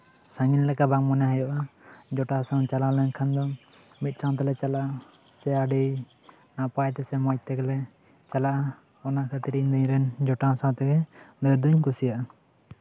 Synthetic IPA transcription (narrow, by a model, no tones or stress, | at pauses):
saŋinlɛkabaŋmɔnaɦɛjɔʔad͡ʒɔʈasãwt͡ʃalalɛnkʰand̪ɔ | mit̪̚ˀsãw̃t̪̬ɛlɛt͡ʃala | sɛaɖij | naʔpajt̪ɛsɛmɔc̚t̪ɛklɛ | t͡ʃalaʔa | ɔnakʰət̪iɾiɲd̪uɲɾɛnd͡ʒɔʈasãwt̪ɛɡɛd̪ɔjɾd̪uɲkusijaʔa